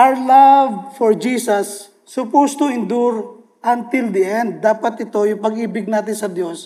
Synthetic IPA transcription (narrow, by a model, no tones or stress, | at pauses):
ʔaɹlavfɔɹd͡ʒiːsɐsː | ʊpost̪ʊɪnd̪uɹ | ʔɐnt̪ɪld̪iʔɛ̃nd̪̚ːaːpɐt̪ʔɪt̪o̞jʊŋpɐɡʔiːbɪɡ̚naːt̪ɪnsɐd̪jo̞s